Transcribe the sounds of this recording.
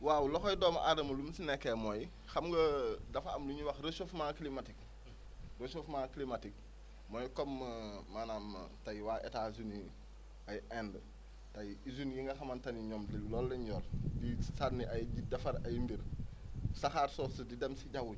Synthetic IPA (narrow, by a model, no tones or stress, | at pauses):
wawlɔxɔjdɔːmɐʔadɐmɐlumsinɛkːɛmɔj | xɐmɡɐdɐfɐ̰mluɲuwɐxrəsofmaklimatik | rəsofmaklimatik̚ | mɔːjkɔmmanam̰tɐjwaːʔɛ̰taːzuni | ɐjʔɛndə | tɐjizunjiŋɡɐxɐmɐntɐniɲɔmdəlɔːlːɐɲɔːldisanːiʔɐjɟidɐfɐɾɐjmbiɾ | sɐxaːɾsɔːsədidɛmsiɟɐwu